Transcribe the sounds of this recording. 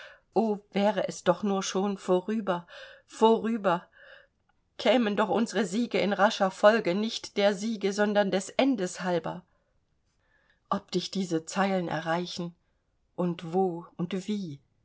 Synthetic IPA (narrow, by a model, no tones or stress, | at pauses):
ʔoːvɛːʁəʔɛsd̥ɔχnuːɐʃoːnfoʁyːbɐfoʁyːbɐ | kʰɛːməndɔχʔʊnzəʁəziːɡəɪnʁaʃɐfɔlɡənɪçtd̥eːɐziːɡəzɔndɐndɛsʔɛndəshalbɐ | ʔɔp̚d̥ɪçd̥iːzət͡saɪlənʔɛ̰ɐʁaɪçn̩ | ʔʊntv̥oːʔʊntv̥iː